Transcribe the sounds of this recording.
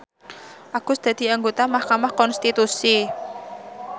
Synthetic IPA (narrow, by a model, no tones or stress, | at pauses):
ʔakʊsd̪̥a̤d̪̥i̤aŋɡot̪amahkamahkɔnst̪it̪usi